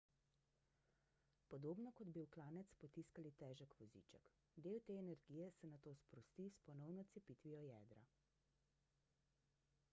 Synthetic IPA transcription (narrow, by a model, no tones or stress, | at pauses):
pɔd̪oːbnɔkɔd̪biwklaːnɛt̪spɔt̪iskalit̪ɛːʒəkʋɔzḭːt͡ʃə̰k | d̪eːwt̪eːɛnɛɾɡijɛsɛnat̪oːspɾɔst̪ispɔnɔwnɔt̪sɛpiːt̪ʋijɔjɛːd̪ɾa̰